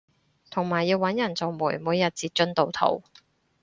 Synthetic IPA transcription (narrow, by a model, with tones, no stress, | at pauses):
t̪ʰʊ˨˩ŋmaː˨˩jːiː˧wːɐ˨˥njɐ˨˩nt͡so˨wmuː˨˩jmuː˨˧jːɐ˨t̚t͡siː˧t̚t͡ʃɵ˥nt̪o˨˧wt̪ʰo̰˨˩w